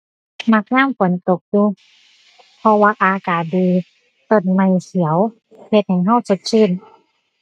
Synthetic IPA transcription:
ma˧˥k̚ɲaː˥˩˨mfo˨˦nt̪o˨˩k̚juː˧ | pʰɔ˧waː˧ʔaː˧kaː˨˩t̪̚diː˧˩ | t̪ɤ˨˧˩n̚ma˧˩jsi˩˦əw | he˧˦t̪̚hɛ˨˩jɦa˧˥˩wsu˧˦t̪̚sʰɯ˧˥˩n

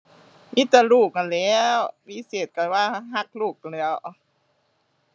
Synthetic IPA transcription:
ʔiː˧˥t̪a˧˩luː˧˩k̚ka˧˩nlɛː˧˥wwiː˧˥˨seː˨˩t̪̚ka˧˩waː˧˥˨ɦa˧˥˩k̚luː˧˩k̚a˧˨nlɛː˧˩w

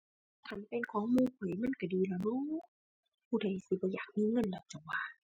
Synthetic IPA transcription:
t̪ʰa˧˥˨npe˧˨nkʰɔː˨˦ŋmuː˧˨pʰɯ˨˩˨jma˧˥˨nka˧˩diː˧laː˧˩no˧˥˨ | pʰuː˧˩da˨˩jsi˧˦bɔː˧˦jaː˨˩k̚miː˧˥˨ŋɤ˧˥˨nla˧˩t͡ɕːwaː˧˩

